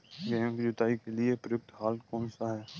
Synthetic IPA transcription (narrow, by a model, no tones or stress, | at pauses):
ɡɛ̃ːmkid͡ʒʊt̪aːikeliepɾjʊk̚t̪ʰɦaːlkɔːnsaɦɛː